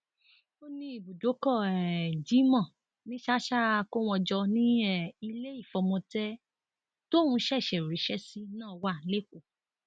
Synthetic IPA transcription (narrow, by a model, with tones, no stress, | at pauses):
o˦nĩ˧i˨bu˨do˨˦kɔ˦˨ɛ˨d͡ʒi˨˦mɔ̃˦˨ | nĩ˦ʃa˦ʃa˦˧ko˦w̃ɔ̃˧d͡ʒɔ˧nĩ˦ɛ˦˨i˧le˦i˦˨fɔ˧mɔ̃˧tɛ˦ | to˦˨ũ˧ʃɛ˦˨ʃɛ˨ɾi˨˦ʃɛ˦si˦nãː˦˨˧wa˦˨˦le˦˨ko˦˨